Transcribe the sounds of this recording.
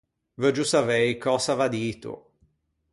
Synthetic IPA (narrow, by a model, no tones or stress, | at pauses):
vəd͡ʒusavɛjkɔsavad̪iːt̪ṵ